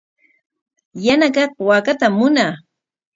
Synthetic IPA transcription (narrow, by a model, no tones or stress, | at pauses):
janakɑq̚wakat̪amːʊnaː